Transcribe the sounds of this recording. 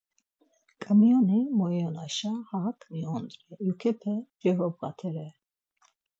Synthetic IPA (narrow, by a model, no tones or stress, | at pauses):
kʼamiɔnimɔɛɔnaʃahaːkʰmiɔnd̪ɾɛjukʰɛpʰɛd͡ʒɛɦɔbɣa̰t̪ʰɛɾɛ